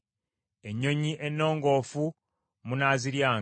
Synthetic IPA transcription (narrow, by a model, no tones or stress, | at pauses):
e̞ɲːo̞ɲiʔenːo̞ːŋɡo̞ːfu | munaːziɾjaː